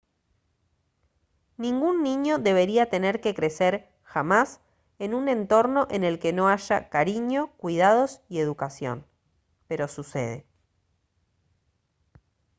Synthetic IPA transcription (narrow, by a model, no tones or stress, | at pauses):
nĩŋɡunːĩɲo̞ðe̞β̞eɾiat̪e̞neɾke̞kɾe̞seɾ | xamas | enunẽ̞nt̪o̞ɾno̞ʔe̞ne̞lke̞no̞aʒa̰kaɾiɲo̞kwið̞að̞o̞sie̞ðukasjo̞̰n | pe̞ɾo̞susḛð̞ḛ